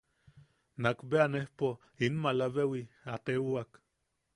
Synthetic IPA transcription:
nakbeanehpo | inmalaβewiat̪euak

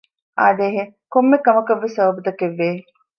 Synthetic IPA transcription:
aːd̪eːɦe | komːekɐmɐkɐʋːesɐʋɐbud̪ɐkeʋːeː

